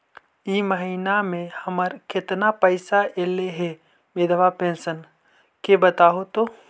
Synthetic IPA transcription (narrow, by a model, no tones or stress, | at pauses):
iməɦiːnamẽhɐməɾkɪt̪napəɪsaʔeːleɦɛ | meːd̪ʱəʋapẽːnsən | kebət̪aːɦot̪o